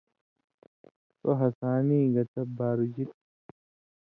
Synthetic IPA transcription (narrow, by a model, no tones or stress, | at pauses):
sɔɦɐsaːniːɡɐt̪ɐbaːɾʊd͡ʒit